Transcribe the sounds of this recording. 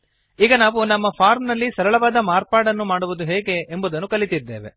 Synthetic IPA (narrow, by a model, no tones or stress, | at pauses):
iːɡɐnaːʋunɐmːɐpʰaːɾmnɐlːisɐɾɐɭɐʋaːd̪ɐmaːɾpaːɽɐnːumaːɽuʋud̪uɦeːɡe̞ʔːmbud̪ɐnːukɐlit̪id̪ːeːʋḛ